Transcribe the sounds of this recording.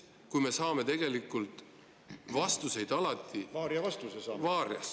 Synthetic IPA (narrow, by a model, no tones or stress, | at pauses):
kujme̞sɑːme̞t̪e̞ɡ̥e̞likːˑult̪ˑ | vɑst̪use̞jd̪̥ɑlɑt̪ːivɑːɾjɑvɑst̪usesɑːvɑːɾjɑ̰s